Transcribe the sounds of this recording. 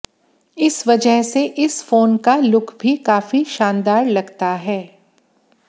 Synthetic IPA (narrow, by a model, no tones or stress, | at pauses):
ɪsʋɐd͡ʒəɦseʔɪsfoːnkalʊkʰbʱikaːfiʃãːnd̪aːɾlɐɡt̪aɦɛː